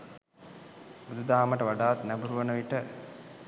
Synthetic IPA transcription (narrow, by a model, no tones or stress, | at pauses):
bud̪ud̪aːməʈəʋaɖaːt̪næbuɾuʋənəʋiʈə